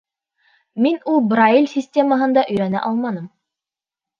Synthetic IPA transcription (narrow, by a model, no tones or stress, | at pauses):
minulˠbɾailʲsʲisʲtʲe̞məɦɤ̆nd̪ɑʔɵ̆jɾænæ̰ʔɑlˠmɑnɤm